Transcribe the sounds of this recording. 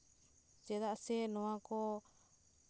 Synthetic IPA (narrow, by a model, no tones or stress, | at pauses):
t͡ʃeðaʔasenũãko